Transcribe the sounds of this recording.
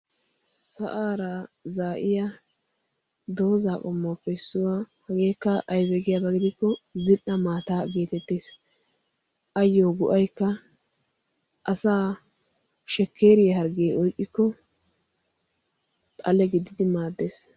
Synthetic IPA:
sɐʔaːɾɐzaːʔɪjɐ | d̪o̞ːzaːkʼɔmːoːpːɛsːʊwahɐɡeːkːɐʔːjbɛɡɪjabɐɡɪd̪ɪkːɔzɪnʔːɐmaːt̪aːɡeːt̪ɛt̪ːeːs | ʔɐjːoːɡʊʔɐjkːɐ | ʔɐsaː | ʃɛkːeːɾɪjɐɦɐɾɡeːɔjkʼːɪkːɔ | t̪ʼɐlɛɡɪd̪ɪd̪ɪmaːd̪ːeːs

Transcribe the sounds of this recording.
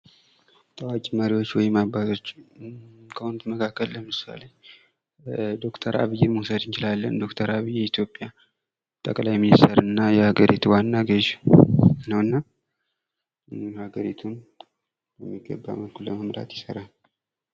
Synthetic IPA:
t̪ʼawakʼiməɾiwo̞t͡ʃːwɔjɪmːabazo̞t͡ʃː | kʰəhunut̪məkʰakːəlːəmɨsa̰le̞ | d̪o̞kt̪ʰəɾa̰βɨjːɛmuhsəd̪ɨnt͡ʃɪlalːə̰nd̪o̞kt̪ʰəɾaβijːɛit̪ʰjo̞pʼja | t̪ʼəkʼlajminist̪ʰəɾɨnːajɛhaɡəɾit̪ʰuwanːaɡəʒ | nəwɨnːa | haɡəɾit̪ʰun | jɛmːiɡəbːa̰məlkʰulːəməmɾa̰t̪jɪsəɾan

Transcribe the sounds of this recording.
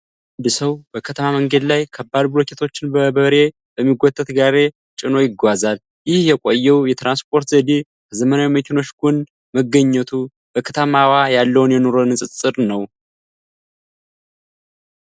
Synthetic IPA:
and̪ɨsəwbəkʰət̪ʰəmaməŋɡəd̪lajkʰəbːad̪buɾokʰet̪ʰo̞t͡ʃːɪnbəbəɾe̞ | bəmːiɡʷot̪ʼːət̪ɡaɾe̞ | t͡ʃʼɪno̞jɪɡːʷazal | jɪhjɛkʷʼojːɛwjɛt̪ɾanspʰo̞ɾt̪zəd̪e | kʰəzəmənawiməkʰeno̞t͡ʃːɡun | məɡːəɲːɛt̪ʰu | b̥əkʰət̪ʰəmawajalːəwunjɛno̞ɾo̞nɨsʼɨt͡sʼɨɾnəw

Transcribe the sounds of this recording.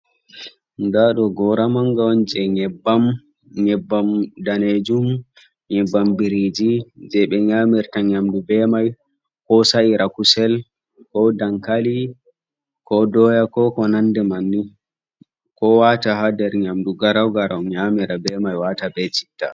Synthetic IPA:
ndaɗɔɡɔɾamaŋɡawɔnd͡ʒɛɲɛbːam | ɲɛbːamdaned͡ʒum | ɲɛbːambiɾid͡ʒid͡ʒɛɓɛɲamiɾtaɲamdubɛmaj | kɔsaiɾakusɛl | kɔdaŋkali | kɔdɔjakɔkɔnandɛmanːi | kɔwataɦadɛɾɲamduɡaɾawɡaɾawɲamiɾabɛmajwatabɛt͡ʃi̥tːa̰

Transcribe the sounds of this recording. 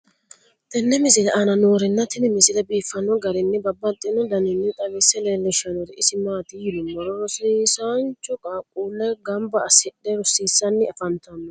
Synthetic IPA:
t̪ɪnːɛmɪzɪlɛʔanɐnoːɾɪnːɐt̪ʰɪnɪmɪzɪlɛbiːfːɐnɔɡɐɾɪnːɪbɐbːɐt̪ʼːɪnɔd̪ɐnɪnːɪt̪ʼɐmɪsɛleːlːɛʃɐnɔɾɛɪsɪmaːt̪ɪjɪd̪ʊmːɔɾɔɾɔsiːsaːnt͡ʃɔkʼaːkʼːuːlːɛɡɐmbɐːsɛɗɛɾɔsːiːsːɐnːɪɐfɐnt̪ɐnːɔ

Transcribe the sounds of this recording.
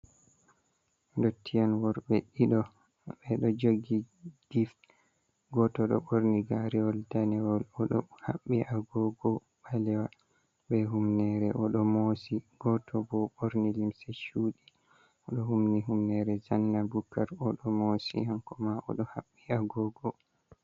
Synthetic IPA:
ndotʰːijanwɔɾbɛɗiɗɔ | bɛɗɔd͡ʒoɡi | ɡ̥if | ɡɔtɔɗɔ̰ɓoɾniɡaɾɛɔldanɛwɔlɔɗɔhaɓːiʔaɡɔɡɔ | ɓalɛwa | bɛɦumnɛɾɛʔɔɗɔmosiɡ̥ɔtʰɔbɔɓoɾnilimsɛʃuːɗi | ɔɗɔhumniɦumnɛɾɛzanːabukːaɾɔɗɔmosḭhankɔmaʔɔ̰ɗɔhaɓːiaɡɔɡɔ

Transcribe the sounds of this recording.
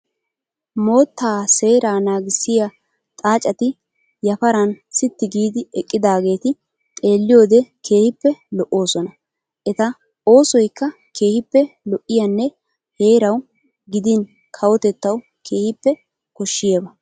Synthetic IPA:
mo̞ːt̪ːaːse̞ːɾaːnaːɡɪsːɪjɐ | t̪ʼaːt͡ʃʼɐt̪ɪ | jɐfɐɾɐn | sɪt̪ːɪɡiːd̪ɪɛkʼːɪd̪aːɡe̞ːt̪ɪ | t̪ʼe̞ːlːɪjo̞ːd̪ɛkʰe̞ːhɪpːɛlɔʔːo̞ːsɔnɐ | ʔɛt̪ɐ | o̞ːsɔjkːɐ | kʰe̞ːhɪpːɛlɔʔːɪjɐnːɛ | he̞ːɾɐw | ɡɪd̪ɪn | kʰɐwɔt̪ɛt̪ːɐw | kʰe̞ːhɪpːɛ | kɔʃːɪjeːbɐ

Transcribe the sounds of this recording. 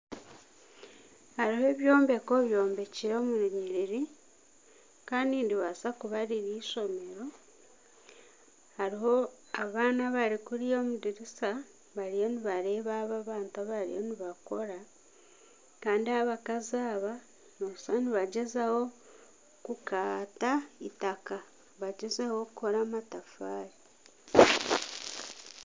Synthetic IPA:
haɾihoe̞βjo̞ːmbe̞ko̞βjo̞ːmbe̞ciɾomunuɲiɾiɾi | kaːndiːndiβasakuβaɾiɾiːʃo̞me̞ɾo̞ | haɾiho̞ | aβaːnaβaɾikuɾijomudiɾisa | βaɾijo̞niβaɾe̞ːβaːβaβaːntaβaɾḭjoniβako̞ɾa | kaːndiaβakaziaːβa | nosaniβaɟezaho̞ | kukaːtaitaka | βaɟezaho̞kuko̞ɾamatafaːɾi

